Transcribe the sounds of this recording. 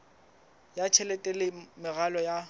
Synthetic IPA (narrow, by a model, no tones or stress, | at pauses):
jat͡ʃʰɛlɛtʼɛlɪmɪɣalɔja